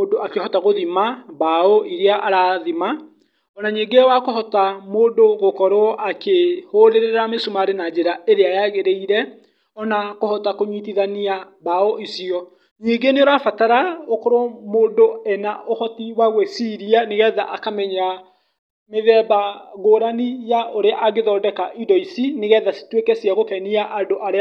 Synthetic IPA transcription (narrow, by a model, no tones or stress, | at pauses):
odoakehɔtaɣoðimabaɔʔiɾeaʔaɾaðima | ɔnaɲeːŋɡewakohɔtamoːndoɣokɔɾwɔʔakehoɾeɾeɾamesumaɾenad͡ʒeɾaeɾeajaɣeɾeiɾɛ | ɔnakohɔtakoɲwit̬iðania | baɔʔisiɔ | niɡeneoɾafataɾaokɔɾwɔmoːndoɛnaʔohɔtiwaɣwɛsiɾianeɣɛðaʔakamɛɲa | meðɛbaɣoːɾanijaʔoɾeaʔaɣeðɔːdɛkaʔidɔisineɣɛðasi̥twekɛsjaɣokɛniaʔadoʔaɾe